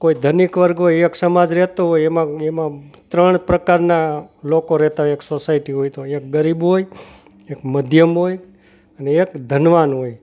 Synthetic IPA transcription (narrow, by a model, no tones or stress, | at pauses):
koid̪ʱənikʋəɾɡɦojeksəmad͡ʒɾɛɦt̪oɦojemãemãt̪ɾəɳ̃pɾəkaɾnalokoɾɛɦt̪aɦojeksosaiʈiɦojt̪ojek̚ɡəɾibɦoj | ekməd̪ʱjəmɦoj | əneːkd̪ʱənʋanɦoj